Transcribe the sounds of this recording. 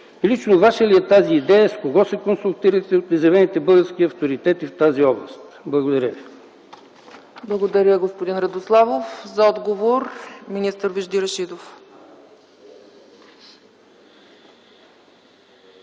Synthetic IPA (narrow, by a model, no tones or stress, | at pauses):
lit͡ʃnovaʃəliɛt̪aziːd̪ɛjəskoɡɔsɛkonsulˠt̪iɾət̪ɛot̪nɛzɛvɛnit̪ɛbɤlˠɡəɾsk̟iɐft̪oɾit̪ɛt̪ift̪aziɔblˠəst̪ | blˠɐɡod̪ɐɾʲəvi | blˠɐɡod̪ɐɾʲəɡospod̪inɾɐd̪oslˠavofzɐɔd̪ɡovoɾminist̪əɾviʒd̪iɾɐʃid̪of